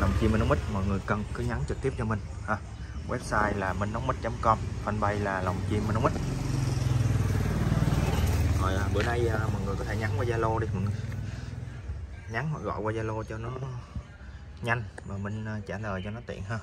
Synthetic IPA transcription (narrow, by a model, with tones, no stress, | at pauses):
la˨˩wŋ͡mt͡ɕi˧mː˨˩nː˨˦m˦i˦˥t̚mɔ˨˩jŋɨ˨˩əjkə˨˩nkɨ˨˦ɲa˨˦nt͡ɕɨ˨˩k̚t̪i˦˥p̚t͡ɕɔ˧mï˨˩ŋ̟ | haː˨˧˩ | wʔɛ̰˦˥p̚saː˧jlaː˨˩mï˨˧˩nə˨˦ŋ͡mmi˦˥t̚t͡ɕə˨˦mŋ͡mkɔ˧mfə˧nɓa˧jlaː˨˩la˨˩wŋ͡mt͡ɕi˧mː˨˩nː˨˦ŋ͡mi˦˥t̚ | kɔ˨˩jaː˨˩ɓɨ̰˧˩əjɗə˧jəː˧mɔ̰˨˩t̚ŋɨ˨˩əjkɔ˧˦t̪ʰe˧˦ɲa˨˦ŋkwaː˧zaː˧lo˧ɗi˧mɔ̰˨˩ŋɨ˨˩ | ɲa˨˦ŋhɔ̰˧˨jɣɔ̰˧˨jkwaː˧zaː˧lo˧t͡ɕɔ˧nɔ˨˦ | ɲa˧jŋ̟maː˨˩mï˧ŋ̟ə˧t͡ɕaː˧˩ləː˨˩jt͡ɕɔ˧nɔ˨˦t̪ḭ˧˨ənɦəː˧